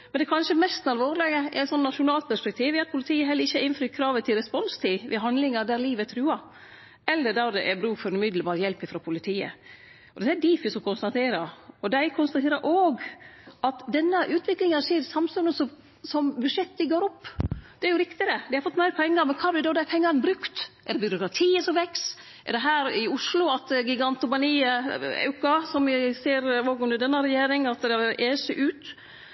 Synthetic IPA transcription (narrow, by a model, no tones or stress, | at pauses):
mɛnd̪ɛkʰɑnʂəmɛst̪nɑlʋoːɾleɡəɛ̰æt̪sɔnːɑʂʊnɑːlt̪pæʂpɛk̚t̪ʰiːʋɪɑt̪̚pʰʊlɪt̪ʰiːəɦɛlːəɾɪçːəɛɾɪnfɾyːt̪kʰɾɑːʋət̪ʰɪlɾɛspɔnst̪ʰiʋɪ̰ɦɑnd̪lɪŋɑd̪æɾliːʋət̪ʰɾʉːɑ | ɛlːəd̪ɑɾd̪ɛʔɛbɾʉːkfɔɾɛnʉmɪd̪ləbɑːɾəjɛlpːɪfɾoːpʰʊlɪt̪ʰiːə̰ | ɔd̪ɛt̪ːæd̪iːfɪsɔkʰʊnst̪ɑt̪ʰeːɾɑɔd̪æɪkʰʊnst̪ɑt̪ʰeːɾəʔoːɡʔɑt̪d̪ɛnːəʔʉːt̪ʰʋɪklɪŋɑseːɾsɑmsʉnəsɔ | sɔmbʉdʂɛt̪ːd̪ɪɡoːɾɔpːd̪̥ɛæɾjʊɾɪkt̪ɪd̪ɛd̪ɪhɑɾfɔt̪ːmæɾpʰɛŋːɑɾmɛnkʰɑːblɪd̪ɔːd̪æpʰɛŋːɑɾnbɾʉkt̪ʔɛɖ̪ɛbʏɾʊkɾɑt̪ʰiːəsɔmʋɛks | ʔɛ̰ɾɖ̪ɛɦæːɾɪʊʂlʊɑt̪ɡɪɡɑnt̪ʊbɑniːɑ̰ʉkɑsɔmɪseːɾoːɡʉmd̪əɾd̪ɛnːɑɾɛjeːɾɪŋɑt̪d̪ɛɑʋɾʔeːsɛʔʉːt̪